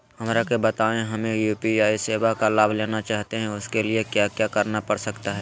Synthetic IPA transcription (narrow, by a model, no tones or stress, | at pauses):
hɐmɾakebɐt̪aːẽɦɐmẽjuːpiaːiseːʋakalaːbʱleːnat͡ʃaːɦt̪eɦɛ̃ʊskeliekjaːkjaːkɐɾnapɐɽsɐkt̪aɦɛː